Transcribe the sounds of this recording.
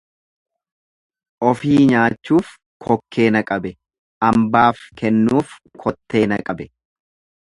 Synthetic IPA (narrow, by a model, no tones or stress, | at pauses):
ʔɔfiːɲaːt͡ʃːuːf | kʰɔkʰːe̞ːnɐkʼɐbɛ | ʔɐmbaːfkɛnːuːfkʰɔt̪ːe̞ːnɐkʼɐbɛ